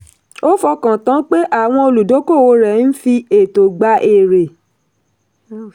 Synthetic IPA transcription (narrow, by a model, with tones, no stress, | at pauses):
o˦fɔ˧kã˨tã˨˦k͡pe˦ʔa˦˨w̃ɔ̃˧o˧lu˨do˨˦ko˦˨o˧˦ɾɛ˨n̩˦fi˧e˨to˨ɡ͡ba˧ʔe˦˨ɾe˨